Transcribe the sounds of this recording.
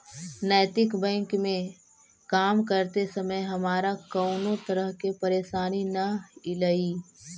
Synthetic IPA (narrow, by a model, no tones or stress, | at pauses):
nəːt̪ɪkbɛ̃ːŋkmẽ | kaːmkəɾt̪esɐməjɦɐmaːɾakɐʊnot̪ɐɾəɦkepɐɾeːʃaːninɐɪlaiː